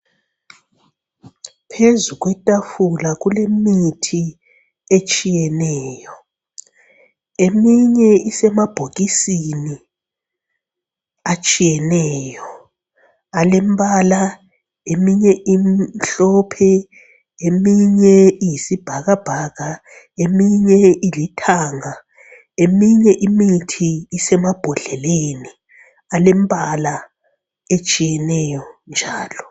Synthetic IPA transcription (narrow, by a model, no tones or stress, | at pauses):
pʰezuɣ̬wɛtʼafulaɣulemitʰi | et͡ʃʼijɛnɛːjɔ | emiɲɛisɛmab̥ʱoɣisini | at͡ʃʼijɛnɛːjɔ | alembala | emiɲɛʔimɬɔpʰɛ | emiɲɛijisib̥ʱaɣab̥ʱaːɣa | emiɲɛilitʰaːŋa | emiɲɛʔimitʰiːsɛmab̥ʱɔɮɛleni | alem̩bʼala | et͡ʃʼijɛnɛjɔnd͡ʒʱaːlɔ